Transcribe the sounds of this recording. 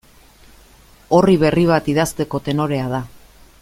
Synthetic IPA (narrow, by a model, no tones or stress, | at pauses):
o̞riβ̞e̞riβ̞at̪iðast̪e̞ko̞t̪e̞no̞ɾe̞aða